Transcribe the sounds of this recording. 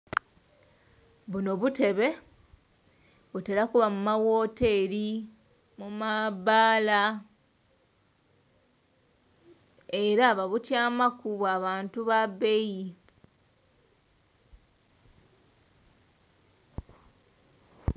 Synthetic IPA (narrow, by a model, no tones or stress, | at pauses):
βuno̞βute̞βe̞ | βuteɾakuβamumawo̞ːte̞ɾi | mumaβaːla | eɾaβaβutjaːmakuβwaβaːntuβabe̞ji